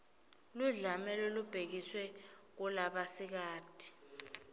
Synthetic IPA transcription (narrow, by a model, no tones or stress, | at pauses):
luɮamɛlɔlub̥ʱek̬iswɛk̬ulaɓasik̬aːd̥ʱi̥